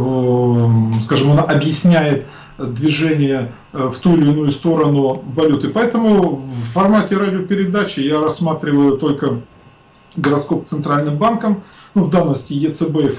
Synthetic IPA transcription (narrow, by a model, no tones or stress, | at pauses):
skaʐɨmɐnaʔɐbjɪsʲnʲæjɪt̪ | d̪vʲɪʐɛnʲɪjə | ft̪uɪlʲɪnujʊst̪o̞ɾənʊvɐlʲut̪ɨpɐɛt̪əmʊːɐrmatʲɪɾadʲɪopʲɪɾʲɪd̪at͡ɕɪjaɾɐsːmat̪ɾʲɪvəjʊt̪o̞lʲkə | ɡəɾɐt̪sko̞p̚t̪sɨnt̪ɾalʲnɨmbankəmnuvd̪annəsʲtʲɪjɛt̪sɛbɛf